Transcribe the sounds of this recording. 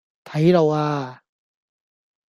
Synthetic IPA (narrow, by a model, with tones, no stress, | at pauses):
t̪ʰa˨i˦ɾɔ˨wa˦